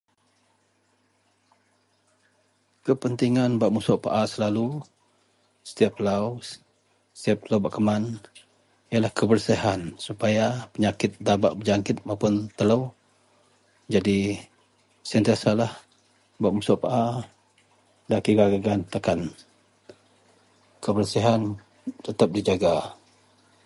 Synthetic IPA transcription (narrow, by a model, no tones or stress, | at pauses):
kəpənt̪iŋanbaʔmusoʔpa̰ʔasəlalu | sə̥t̪iap̚əlaw | st̪iap̚lawbaʔkəman | jalahkəbərsiɦansupajapəɲakɪt̪̚dabaʔbəd͡ʒaŋkɪt̪̚maupʊnt̪ələw | d͡ʒadi | sant̪iasalah | baʔmusoʔpaʔa | daʔkiɡaɡaɡant̪əkan | kəbərsiɦan | t̪ət̪əp̚did͡ʒaɡa